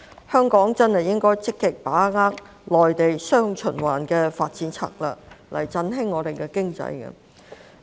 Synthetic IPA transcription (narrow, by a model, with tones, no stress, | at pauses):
hœː˥ŋkɔː˨˥ŋt͡sɐ˥nhɐ˨jɪ˥ŋkɔː˥jt͡sɪ˥kːɪ˨k̚paː˨˥ŋaː˥k̚ | lɔː˨jt̪e˨jsœː˥ŋt͡ʃʰɵ˨˩nwaː˨˩nkɛː˧faː˧t̚t͡siː˨˧˥nt͡sʰa̰ː˧˥k̚lɐ̰ː˨˩lɐ̰˨˩jt͡sɐ˧nɦɪ˥ŋːɔː˨˧t̪e˨jkɛː˧kɪ˥ŋt͡sɐ̰˨˧jkɛ̰˧